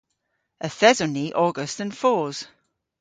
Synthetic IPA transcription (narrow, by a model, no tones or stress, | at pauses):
əθɛzəniʔɔːɡəstə̃nfɔːz̥